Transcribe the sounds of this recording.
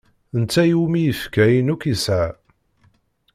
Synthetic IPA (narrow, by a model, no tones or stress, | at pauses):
ənt͡sːæjumijəfkæjnukisʕa